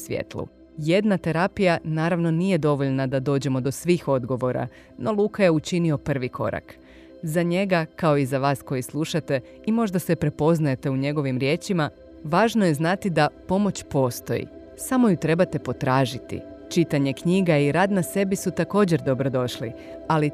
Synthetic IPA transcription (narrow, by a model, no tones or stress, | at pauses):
sʋjḛt̪lˠṵ | je̞d̪nat̪e̞ɾapijanaːɾaʋno̞nije̞d̪o̞ʋo̞ʎnad̪ad̪o̞ːd͡ʑe̞mo̞d̪o̞sʋiːxo̞d̪ɡo̞ʋo̞ɾa̰ | no̞lˠuːkaje̞ut͡ʃinio̞pr̩ʋikʰo̞̰ɾa̰k | zaɲe̞ɡakao̞izaʋaːsko̞jislˠuʃat̪e̞ | imo̞ʒd̪ase̞pɾe̞po̞znaje̞t̪e̞uɲe̞ɡo̞ʋimɾje̞ːt͡ʃima | ʋaːʒnoje̞znat̪id̪apo̞mo̞t͡ɕpo̞ːst̪o̞̰jḭ | samo̞jut̪ɾe̞bat̪e̞po̞t̪ɾaːʒit̪ḭt͡ʃit̪aɲe̞kɲiːɡaiɾaːd̪nase̞bisut̪ako̞ːd͡ʑe̞ɾd̪o̞bɾo̞d̪o̞ʃlḭ | ali